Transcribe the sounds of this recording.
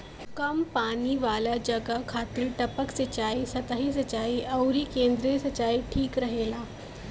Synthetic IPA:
kɐmpaniːʋalad͡ʑəɡakʰat̪ɾiːʈəpəksət͡ɕaiːsət̪aɦisət͡ɕaːiːʔəwɾiːkend̪ɾesət͡ɕaiːʈʰiːkɾəɦelaː

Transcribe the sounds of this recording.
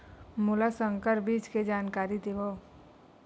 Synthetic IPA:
mʊlasə̃ŋkəɾbiːt͡ʃked͡ʒaːnkaːɾid̪eʋo

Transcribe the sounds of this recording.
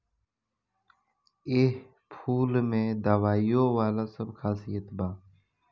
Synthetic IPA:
eːh | pʰuːlmẽːd̪aːʋaːijoːʋaːlaːsəbkʰaːsijət̪baː

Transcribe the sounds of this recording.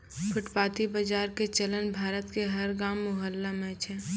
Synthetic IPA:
kʰʊʈpaːt̪ibəd͡ʒaːɾket͡ʃələnbʱaːɾət̪keɦɐɾɡaːmːʊɦəlːamẽt͡ʃʰɛ

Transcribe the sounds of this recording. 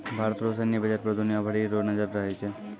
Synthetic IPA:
bʱaɾət̪ɾos̬ənibəd͡ʒaɾpɾəɾd̪ʱunijabʱəɽiɾonəd͡ʒəɾɾəɦet͡ʃʰe

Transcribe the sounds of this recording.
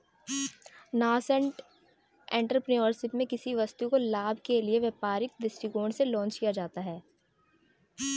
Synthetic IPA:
naːsə̃ɳʈ | ɛ̃ːɳʈɾəpnioːɾsɪpmẽkɪsiʋɐst̪ukolaːbʱkelieʋeːpaːɾɪk̚d̪ɪsʈiɡoːɳselɔ̃ːnt͡ʃkijad͡ʒaːt̪aɦɛː

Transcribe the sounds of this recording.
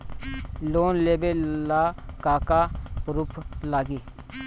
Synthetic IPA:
loːnleːbelaːkaːkapɾupʰlaːɡiː

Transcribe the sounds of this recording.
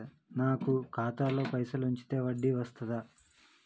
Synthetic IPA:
naːkukʰaːt̪aːlo̞ːpɐjsɐluɲt͡ʃi̥t̪e̞ːʋɐɖːiʋɐst̪ʰɐd̪ɐ

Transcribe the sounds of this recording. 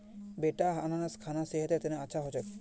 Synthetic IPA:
beʈaɦananaskʰanaseɦet̪et̪eneat͡ʃʰaɦɔt͡ʃek

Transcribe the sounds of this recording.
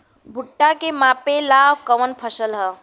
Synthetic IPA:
bʱuʈːakemaːpelaːwkəʋənpʰəsəlɦə

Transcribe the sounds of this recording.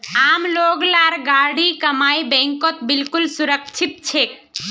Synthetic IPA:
amloɡlaɾɡaɽikəmaibɛ̃ŋkɔt̪bilkulsuɾəkt͡ʃʰit̪̚t͡ʃʰek

